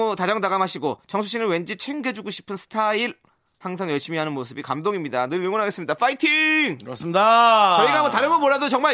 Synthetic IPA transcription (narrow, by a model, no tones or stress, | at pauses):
otad͡ʑʌŋdaɡamɦaɕʰiɡot͡ɕʌŋsʰuɕ͈ʰinɯɭwe̞nd͡ʑit͡ɕʰe̞ŋɡed͡ʑuɡoɕʰi̥pʰɯnsʰɯ̥tʰaiɭ | haŋsʰaŋjʌɭɕ͈imiɦanɯnmosʰɯbikamdoŋimɲidanɯɭɥeŋonɦaɡe̞s͈ɯmɲidafʰaitʰiŋsdat͡ɕʌiɡaamotaɾɯmomoɭadot͡ɕʌŋma